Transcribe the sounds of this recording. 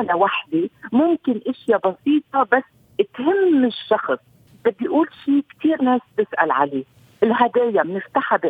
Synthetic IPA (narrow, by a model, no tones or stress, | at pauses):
nawaħd̪emʊmkɪnʔɪʃjabɑsiːt̪̚ˤɑbasː | ɪt̪hɪmːɪʃːɑxsˤ | b̥ɪd̪ːijʔuːlʃiːkt̪ʰiːɾneːst̪ɪsʔa̰lʕa̰leː | ʔɪlɦad̪eːjamnɪft̪aħabɪ